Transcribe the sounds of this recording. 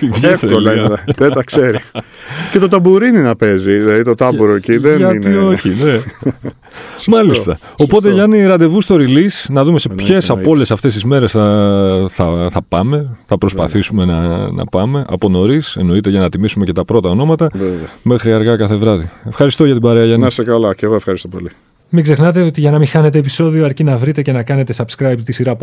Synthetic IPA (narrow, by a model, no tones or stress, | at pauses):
t̪iʝɐefolɐðed̪ɐkse̞ɾicet̪ot̪ɐbuɾininɐpe̞zilɐðit̪ot̪ɐbuɾociðeɐnioçine | mɐlist̪ɐ | o̞po̞t̪eʝɐniɾɐd̪e̞vust̪o̞ɾilisnɐðume̞sepçe̞sɐpo̞le̞sɐft̪e̞st̪izme̞ɾe̞sθɐθɐθɐpɐme̞θɐpɾo̞spɐ̰θisume̞nɐnɐ̰pɐme̞ʔɐ̰po̞no̞ɾise̞no̞it̪e̞ʝɐnɐt̪imisume̞ce̞t̪ɐpɾo̞t̪ɐo̞no̞mɐt̪ɐvevme̞xɾiɐɾɣɐkɐθe̞vɾɐðie̞fxɐɾist̪o̞ʝɐt̪ibɐɾeɐʝɐnisekɐlɐceɣoefxɐɾist̪opoli | miɡzexnɐt̪e̞ot̪iʝɐnɐmixɐne̞t̪e̞ːpiso̞ðioɐɾcinɐvɾit̪ece̞nɐkɐne̞t̪e̞sɐbskɾɐjpt̪isiɾɐ